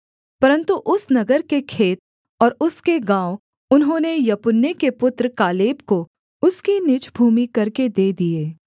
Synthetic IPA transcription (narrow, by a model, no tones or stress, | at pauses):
pɐɾə̃nt̪uʔʊsnɐɡəɾkekʰeːt̪̚ | ɔːɾʊskeɡãːo | ʊnɦõːnejɐpʊnːekepʊt̪ɾəkaːleːbko | ʊskinɪt͡ʃbʱuːmikɐɾked̪eːd̪ieː